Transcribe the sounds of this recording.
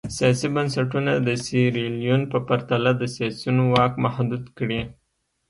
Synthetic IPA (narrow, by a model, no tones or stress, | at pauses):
sijɑsibansaʈunad̪əsiɾelijunpəpaɾt̪alad̪əsijɑsunowɑkmahd̪ud̪kɽi